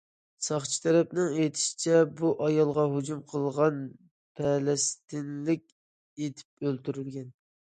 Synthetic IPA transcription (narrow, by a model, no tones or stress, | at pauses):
sɑχt͡ʃʰi̥t̪ʰɛɾɛpnɪŋejt̪ʰɪ̥ʃi̥t͡ʃʰɛbuʔɑjɑlˠʁɑɦud͡ʒumqʰəlˠʁɑn | pʰɛlɛst̪ɪnlɪkʲ | et̪ʰɪ̥p̚ølt̪yɾylɡʲɛn